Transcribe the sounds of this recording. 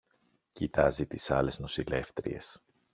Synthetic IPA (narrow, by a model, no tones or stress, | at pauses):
cit̪ɐzit̪isɐle̞zno̞sile̞ft̪ɾḭe̞s